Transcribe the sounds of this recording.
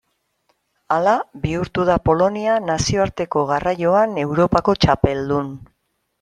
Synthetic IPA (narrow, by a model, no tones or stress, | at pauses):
alaβiuɾt̪uð̞apo̞lo̞nianasio̞aɾt̪e̞ko̞ɣarajo̞ane̞wɾo̞pako̞t͡ʃape̞ld̪un